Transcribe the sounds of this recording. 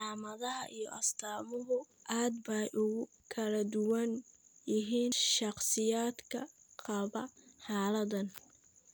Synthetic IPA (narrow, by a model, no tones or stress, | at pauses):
aːmɐðɐɦɐʔijɔʔɐst̪ʰaːmʊɦʊ | ʔaːd̪bɛjʔʊɣʊ | kʰɐlɐd̪ʊwɐnjɪɦiːnʃɑqsɪjaːd̪kʰɐ | qɑβɐħɑːlɐdɐn